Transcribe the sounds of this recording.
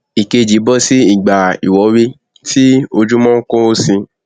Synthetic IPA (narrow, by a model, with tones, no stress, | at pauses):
i˨ke˧d͡ʒi˨˦bɔ˦si˦i˨ɡ͡ba˨ḭ˨wɔ˨˦wi˧ | ti˦o˧d͡ʒũ˦mɔ̃˦ŋ̩˦kõ˦o˦sĩ˧